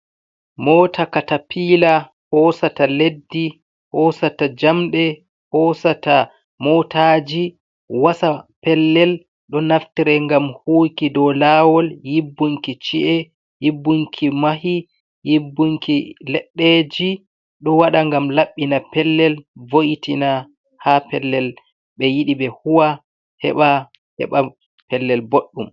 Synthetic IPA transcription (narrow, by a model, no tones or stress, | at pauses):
mɔːtakatapiːla | hɔːsataledːi | hɔsatad͡ʒamɗɛ | hɔsata | mɔtʰad͡ʒi | wasapɛlːɛl | ɗɔnaftiɾɛŋɡamhuːkidɔlaːwɔljibːuŋkit͡ʃiʔɛ | jibːuŋkʰimaɦi | jibːuŋkilɛɗːed͡ʒi | ɗɔwaɗaŋɡamlaɓːinapɛlːɛlvoʔitina | hapɛlːɛl | ɓɛjiɗibɛhuwa | hɛ̰ɓa | hɛ̰ɓa | pɛlːɛlboɗːum